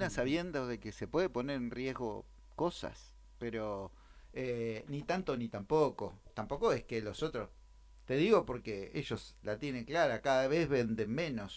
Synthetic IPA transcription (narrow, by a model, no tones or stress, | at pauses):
unasaβjend̪oðekesepwe̞ðepo̞neɾenrjezɣo̰ | kosa̰s | peɾo | enit̪ant̪onit̪ampoko̞̰t̪ampo̞ko̞eskelo̞so̞t̪ɾo̞s | t̪e̞ðiɣo̞po̞ɾkeeʒo̞slat̪je̞nẽ̞ŋklaɾakaðaβezβe̞nd̪e̞nmẽ̞no̞s